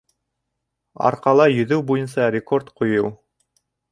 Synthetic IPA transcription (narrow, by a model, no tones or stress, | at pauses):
ɑ̰ɾqɑlˠɑjɵ̆ðɘwbujɤnsɑɾʲɪko̞rt̪qujɤw